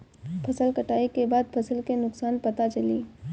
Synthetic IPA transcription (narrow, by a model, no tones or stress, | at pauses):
pʰɐsəlkɐʈaːikebaːd̪̚pʰɐsəlkenʊksaːnpɐt̪at͡ʃɐliː